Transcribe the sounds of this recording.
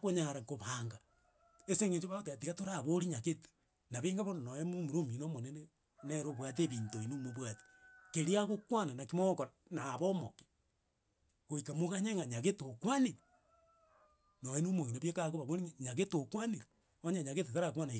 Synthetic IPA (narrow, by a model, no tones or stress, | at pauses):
kwoɲaɾakoβaːŋɡa | eseŋet͡ʃoβaɣot̬eatiɣatoɾaβoɾiɲaɣete̥ | naβeŋɡaβononojemomuɾominomonene | neɾoβwat̬eβiːntoinumoβwati̥keɾiaɣokwananakimookoɾa | naːβomo̰ke̥ | ɣoikamuɣaɲeŋaɲaɣetokwaniɾe | nojenomoŋinaβjekaɣoβaβoɾiŋɲaɣetokwaniɾe | oɲaɲaɣetetaɾakwanai